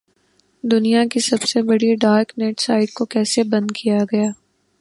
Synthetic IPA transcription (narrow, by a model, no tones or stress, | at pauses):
d̪ʊnijakisɐbsebɐɽiɖaːɾknɛːʈsaːɪʈ̚kokɛːsebɐ̃nd̪kʰijaɡɐjaː